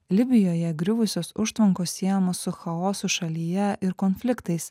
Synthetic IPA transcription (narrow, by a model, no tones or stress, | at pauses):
lʲɪbʲɪjoːjɛɡɾʲʊʋʊsʲoːsʊʃt̪ʋɐŋkoːsʲsʲiɛjɛmoːsːʊxɐoːsʊʃɐlʲijɛʔɪɾkoːnʲfʲlʲɪkt̪ɐɪs